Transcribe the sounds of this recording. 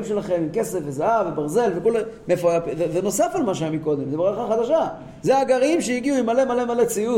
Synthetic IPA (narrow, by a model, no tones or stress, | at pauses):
mʃe̞laχe̞mimke̞sefvezaavebaʁze̞lvekolmefapveveno̞safalmaʃ̬eaemiko̞d̪e̞mzebeʁalχaχad̪aʃa | zeaɡaʁimʃejiɡiuimale̞male̞malet͡siu